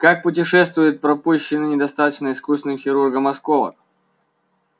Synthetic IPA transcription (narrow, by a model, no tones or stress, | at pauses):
kak̚pʊtʲɪʂɛs̬t̪vʊjʊt̪̚pɾɐpuɕːɪnɨnʲɪd̪ɐst̪at̪ət͡ɕnəɪskusvɪnɨmxʲɪɾurɡəmɐskovə̰k